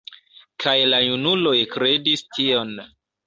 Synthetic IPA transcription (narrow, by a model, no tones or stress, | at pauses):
kʰajlajunulo̞jkɾe̞distʰio̞n